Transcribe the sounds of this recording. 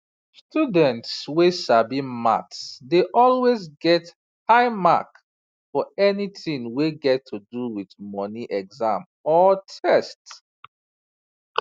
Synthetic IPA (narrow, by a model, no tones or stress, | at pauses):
studə̃ntswesabima̰tsdeʔɔlwezɡɛt | haɪma̰k | fɔɛniθĩŋweɡɛtʰːuduwiðmɔniʔɛɡzãm | ɔtʰɛst